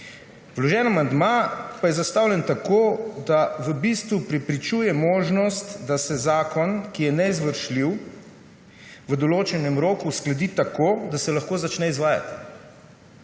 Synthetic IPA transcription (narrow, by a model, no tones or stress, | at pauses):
wlɔʒɛːnamand̪mapajɛzast̪awlʲjɛnt̪akoːd̪aʋəbist̪ʋupɾɛpɾit͡ʃuːjɛmoːʒnɔst̪d̪asɛzaːkɔnkijɛnɛizʋəɾʃliw | ʋəd̪ɔloːt͡ʃɛnɛmɾoːkusklɛd̪iːt̪akoːd̪asɛlaxkoːzat͡ʃnɛizʋaːja̰t̪i̥